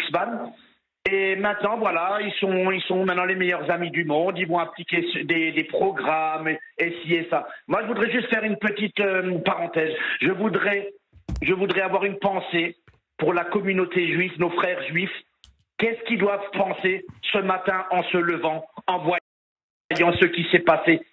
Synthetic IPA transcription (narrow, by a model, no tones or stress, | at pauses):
sban | emɛ̃t̪nɑ̃vwalailsɔ̃ilsɔ̃mɛ̃t̪nɑ̃lemɛjœʁzamid̪ymɔ̃d̪ilvɔ̃ɛ̃plikʲesd̪ed̪epχɔɡʁameesiɛsamwaʒəvud̪ʁɛʒyst̪fɛʁynpət̪it̪øpaʁɑ̃t̪ɛːzʒəvud̪ʁɛ | ʒəvud̪ʁɛavwaʁynpɑ̃se | puʁlakɔmynot̪eʒɥifnofχɛʁʒɥif | kʲɛskʲild̪wavpɑ̃sesəmat̪ɛ̃ʔɑ̃sələvɑ̃ɑ̃vwa | jɑ̃səkʲisɛpase